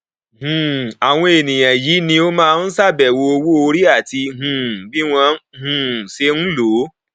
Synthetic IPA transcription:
ɦũ˨a˨w̃ɔ̃˧e˨nĩ˨j̃ã˨jiː˨˦nĩ˧o˦mãː˦˧n̩˦sa˦˨bɛ˨wo˧o˧wo˦o˧ɾi˦a˦˨ti˧ɦũ˨bi˦w̃ã˧hũ˨se˧˦n̩˦lo˨˦

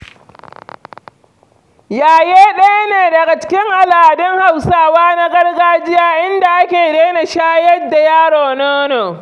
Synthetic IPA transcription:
jaː˨jeː˦ɗɐ˦ja˦neː˨dɐ˨ɡa˨t͡ʃɪ̥˦kʲɪ˦ŋʔa˨laː˨dɪ˦ŋha˨wsaː˦waː˦na˦ɡɐ˦rɡaː˦d͡ʒɪ˦jaː˦ʔɪ˦nda˨ʔa˦kʲeː˨ɽeː˦na˨ʃaː˦jɐ˦dːa˨jaː˦ɽoː˨noː˦noː˨

